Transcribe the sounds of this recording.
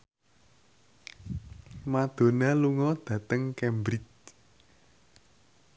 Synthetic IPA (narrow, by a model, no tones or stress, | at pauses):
mad̪̥o̤naluŋɔd̪̥ä̤t̪əŋkɛmbɾit͡ʃ